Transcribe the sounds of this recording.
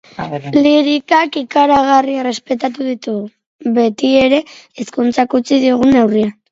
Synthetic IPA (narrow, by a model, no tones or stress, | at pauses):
liɾikakikaɾaɣ̞arierespe̞t̪at̪uðit̪uɣu | βe̞t̪ie̞ɾe̞ːskunt͡sakut͡siðioɣ̞une̞wria